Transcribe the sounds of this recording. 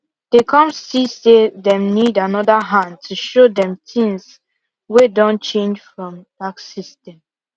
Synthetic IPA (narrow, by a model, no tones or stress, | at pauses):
dekʰɔ̃msisedɛ̃mnidanɔdəɦãntʰuʃodɛ̃mtʰĩŋs | wedɔ̃nt͡ʃẽnd͡ʒfɹɔ̃mbaksistɛ̃m